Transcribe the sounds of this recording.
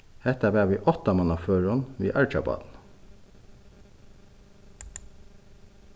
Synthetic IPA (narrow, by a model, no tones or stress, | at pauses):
hɛt̪əbæːʋiːʔɔt̪ɑmɑnɑføːɹɔnʋḭːʔɑɹt͡ʃɑbɑ̰d̪n̩